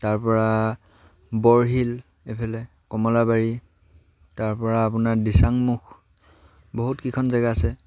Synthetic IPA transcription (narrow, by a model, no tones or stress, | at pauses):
taɹpɔɹa | bɔɹɦil | epʰɛlɛ | kɔmɔlabaɹi | taɹpɔɹaːpunaɹdisaŋmux | bɔɦutkikʰɔnzaɡaasɛ